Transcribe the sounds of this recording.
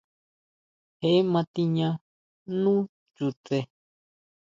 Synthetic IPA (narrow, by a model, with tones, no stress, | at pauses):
he˧˨ʔe˦mã˧t̪i˧ɲã˧ | nũː˦ | t͡ʃu˧t̪e˧